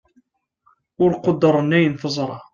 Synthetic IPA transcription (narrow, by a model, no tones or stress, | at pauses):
ʊɾqʊd̪ːəɾˤənːæjənθəzˤɾˤɑ